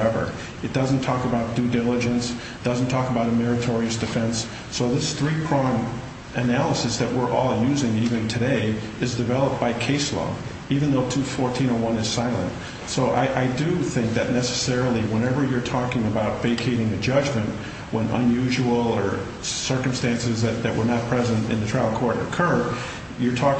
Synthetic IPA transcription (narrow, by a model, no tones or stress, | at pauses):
ɛvə̰˞ | ɨt̚d̥ʌzn̩tʰɔkəbaʊt̚d̥ʉdɪlˠəd͡ʒɨ̃ns | d̥ʌzn̩tʰɔkəbaʊɾɨmɛɹɨtʰɔɹiɨsd̥ɨfɛ̃nsː | oʊðɪsθɹipʰɹ̥ɑ̃m | ʔɨnælˠəsɨsðɨʔ̚wɪɹʔɔlˠjʉzɪ̃ŋivɨ̃ntʰɨɾeɪ | ɨzdɨvɛlˠəp̚b̥aɪkʰeɪslɔ̰ʊ | ivɨ̃nðoʊtʰufɔɹtʰĩnə˞wʌ̃nɨz̥saɪlˠə̰̃nt | soʊʔa̰ɪʔaɪdɨθɪ̃ŋk̚ðɨtⁿnɛsɨ̥sɛɹl̩ˠiwɛ̃nɛvə˞jə˞tʰɔkɪ̃ŋɨbaʊtv̥eɪkʰeɪɾɪ̃ŋɨd͡ʒʌd͡ʒmɨ̃nʔ | wə̃nə̰̃njʉʒəwl̩ˠə˞ | sɜ˞km̩stæ̃nsɨzðɨt̪̚ðɨʔ̚wə˞nət̚pʰɹ̥ɛzɨ̃ntɨ̰̃nðɨtʰɹ̥aɪvl̩ˠkʰɔɹɾə̰kʰɜ˞ | jə˞tʰɔ